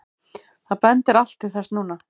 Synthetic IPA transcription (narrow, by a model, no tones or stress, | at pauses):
θaðpɛnt̪ɪɾal̥t̪ːɪ̥θɛsnuːna